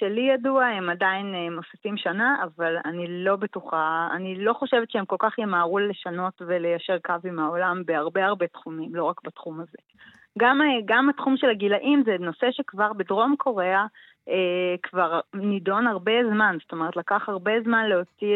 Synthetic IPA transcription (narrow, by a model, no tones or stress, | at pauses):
ʃelijaduahemadainemo̞si̥fimʃanaʔavala̰nilo̞betuχaa̰nilo̞χo̞ʃevet̪t͡ʃʃeemko̞lkaχjemaːʁuleʃano̞tvelejaʃe̞ʁkavimhao̞lambeaʁbeaʁbe̞tχumimlo̞ʁakbatχumaze̞ | ɡameɡamatχumʃelaɡilaʔimzeno̞seʃekvaʁbedʁo̞mkʰo̞ʁea | ekvaʁnido̞naʁbe̞zmanzoto̞me̞ʁetlakaχhaʁbe̞zmanleot͡si